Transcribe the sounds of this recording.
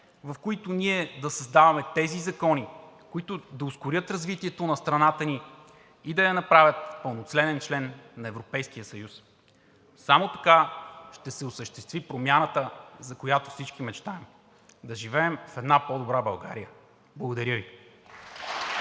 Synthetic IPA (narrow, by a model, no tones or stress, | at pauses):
vɐfkoit̪onʲiɛd̪ɐsɐzd̪avɐmɛt̪ɛzizɐkɔni | koit̪ʊd̪ɐʊskʊɾʲɤt̪ɾɐzvit̪iɛt̪onɐst̪ɾɐnat̪əni | id̪ɐjɐnɐpɾavʲjət̪pəlˠnot̪slɛnɛnt͡ʃlɛnːɐɛvɾopɛjsk̟ijəsɐjus | samot̪ɐ̥kaʃt̪ɛsɛʊsəʃt̪ɛst̪vipɾomʲjanət̪əzɐkojat̪ofsit͡ʃk̟imɛt͡ʃt̪aɛm | d̪ɐʒivɛːmfɛd̪napɔd̪obɾabɐlˠɡa̰ɾijə | blˠɐɡod̪ɐɾʲəvi